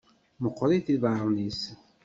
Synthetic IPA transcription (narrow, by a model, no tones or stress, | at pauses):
məqːɾiθiðʕaɾˤnis